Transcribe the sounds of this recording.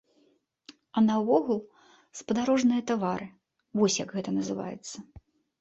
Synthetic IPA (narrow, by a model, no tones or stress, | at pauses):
ɐnɐvɔɣulˠ | spɐd̪aɾɔʐnɨjɐt̪avaɾɨ | vɔsʲjɐɡɣɛt̪ɐnɐzɨva̰jɛ̰t̪sːɐ